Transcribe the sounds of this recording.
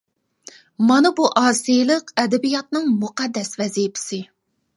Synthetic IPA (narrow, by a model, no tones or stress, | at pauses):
mɑnɨbuʔɑːsijlˠəqɛd̪ɛbijɑt̪̚nɨŋmuqɑd̪ːɛsvɛzijpʰɪ̥sɪ